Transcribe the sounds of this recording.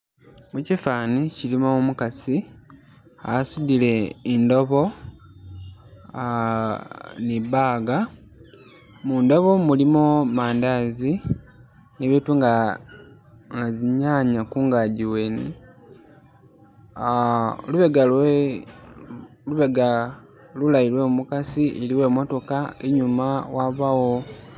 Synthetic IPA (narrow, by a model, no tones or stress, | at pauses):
mucifaːnicilimoumukasi | a̰asudile̞ːndo̞βo̞ | niβaːɡa | muːndo̞βomulimomaːndazi | neβetuŋɡa | ŋɡaziɲaɲakuːŋɡaːɟiweni | luβeɡale | luβeɡa | lulaiɾwemumukasiʔeliwe̞ːmo̞to̞kaeɲumawaβawo